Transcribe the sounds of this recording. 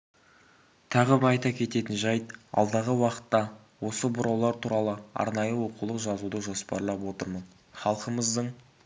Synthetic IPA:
t̪ʰɑʁəbəɑjt̪ɑkʲʰe̞t̪e̞t̪ɪnʒɑjt̪ɑ̰lˠd̪ɑʁəwɑqə̥t̪ːɑ | wo̞səbʊɾɑwlˠɑɾt̪ʰuɾɑlˠəɑ̰ɾnɑjəwo̞qulˠəqʒɑzud̪əʒo̞spɑ̰ɾlˠɑpwo̞t̪əɾmən | χɑlˠqəməzd̪əɴ

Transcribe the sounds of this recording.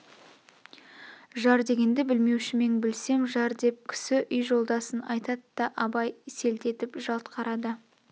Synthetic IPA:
ʒɑɾd̪e̞ɡʲe̞nd̪ɪbɪlme̞wʃɪme̞ŋbɪlse̞mʒɑɾd̪e̞p̚kʲʰʏ̥sɪʔʏjʒo̞lˠd̪ɑsənɑ̰jt̪ɑd̪əd̪ɑʔɑbɑjse̞lt̪e̞t̪ɪpʒɑlˠt̪qʰɑɾɑd̪ə

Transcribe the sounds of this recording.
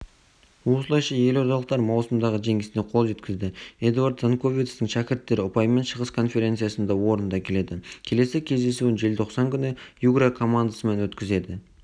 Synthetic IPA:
wo̞səlˠɑjʃɑje̞lo̞ɾt̪ɑlˠəq̚t̪ɑɾmɑwsəmd̪ɑʁəʒe̞ŋɡʲɪsɪne̞qʰo̞lˠʒe̞t̪kʲɪzd̪ɪed̪uaɾt̪zankʰo̞vʲit̪st̪əŋʃækʲɪɾt̪ːe̞ɾɪʊpɑjme̞nʃəʁəskʰo̞nfe̞ɾʲe̞nt̪sɨjasənd̪ɑwo̞ɾənd̪ɑkʲʰe̞le̞d̪ɪkʲʰe̞le̞sɪkʲʰe̞zd̪e̞suɪnʒe̞lt̪ʰo̞qsɑŋkʲʰʏnɪjuɡɾakʰo̞mand̪asəme̞nwɵt̪kʲɪze̞d̪ɪ

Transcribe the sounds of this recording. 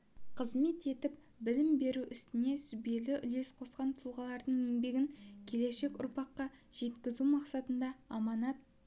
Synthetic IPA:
qʰəzme̞t̪e̞t̪ɪp̚ | bɪlɪmbe̞ɾuʔɪst̪ɪne̞sʏbe̞lɪʔʏle̞sqʰo̞sqɑnt̪ʰʊlˠʁɑlˠɑɾd̪əɴe̞ŋbe̞ɡʲɪŋkʲʰe̞le̞ʃe̞kʲʊ̰ɾpɑqːɑ | ʒ̥e̞t̪kʲɪzumɑqsɑt̪ənd̪ɑːmɑnɑt̪̚

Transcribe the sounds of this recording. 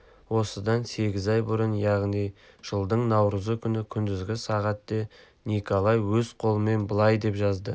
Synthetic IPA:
wo̞səd̪ɑnse̞ɡʲɪzɑjbʊɾənjɑʁnij | ʒ̥əlˠd̪əɴnɑwɾəzəkʲʰʏnɪkʲʰʏnd̪ɪzɡʲɪsɑʁɑt̪ːe̞ | nikolˠɑjwɵzqʰo̞lˠəme̞nbəlˠɑjd̪e̞pʒɑzd̪ə

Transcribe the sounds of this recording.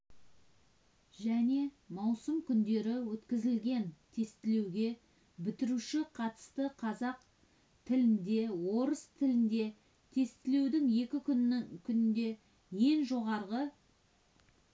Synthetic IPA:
ʒæne̞ | mɑwsəmkʲʰʏnd̪e̞ɾɪwɵt̪kʲɪzɪlɡʲe̞nt̪ʰe̞st̪ɪle̞wɡʲe̞ | bɪt̪ɪɾuʃɪqʰɑt̪ə̥st̪əqʰɑzɑq | t̪ʰɪlɪnd̪e̞wo̞ɾəst̪ʰɪlɪnd̪e̞ | t̪ʰe̞st̪ɪle̞wd̪ɪŋje̞kʲɪkʲʰʏnɪkʲʰʏnɪnd̪e̞ | je̞ŋʒo̞ʁɑɾʁə

